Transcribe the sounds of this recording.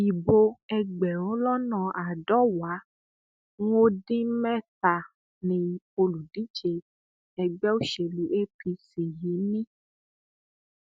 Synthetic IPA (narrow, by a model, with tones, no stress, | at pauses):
i˨bo˧ɛ˧ɡ͡bɛ˨ɾ̃õ˨˦lɔ˦nã˨ʔa˨dɔ˦wa˨˦ | ŋo˦dĩ˦mɛ̃˦t̪a˨ | nĩ˧ | o˧lu˨di˦d͡ʒe˧ | ɛ˨ɡ͡bɛ˦o˦ʃe˨lu˨˦ʔe˦fi˧si˨ji˨˦nĩ˦